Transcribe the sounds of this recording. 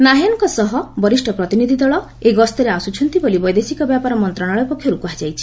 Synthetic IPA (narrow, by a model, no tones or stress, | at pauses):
naɦenɔŋkɔsɔɦɔbɔɾisʈʰɔpɾɔt̪inid̪ʱid̪ɔɭɔ | eɡɔst̪ɔɾeasut͡ʃʰɔnt̪ibolibɔjd̪esikɔbjapaɾɔmɔnt̪ɾaɽ̃aɭɔepɔkʰjɔɾukuɦad͡ʒajt͡ʃʰi̥